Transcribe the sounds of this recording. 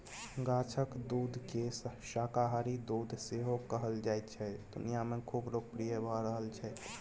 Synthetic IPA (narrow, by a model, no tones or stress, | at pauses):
ɡat͡ʃʰəkd̪uːd̪ʱkesʃakaɦaɾid̪uːd̪ʱseɦokəɦəld͡ʒaːɛt̪t͡ʃʰɛd̪ṵnijamẽkʰuːbloːɡ̚pɾijəbʱaɾəɦəlt͡ʃʰɛ